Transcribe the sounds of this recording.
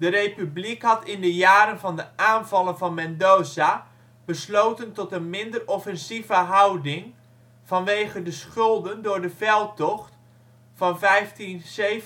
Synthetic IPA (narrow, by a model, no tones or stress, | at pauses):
dərejpyblikɦɑtɪndəjaːɾənvɑndəʔaːnvɑlˠənvɑnmɛndoːza | b̥əslowtəntɔtənmɪndərɔfɛnzivəɦʌwdɪŋ | vɑnʋejχəndəsχɵlˠdəndʊːɹdəvɛlˠtɔχt | fɑnvɛjftinsev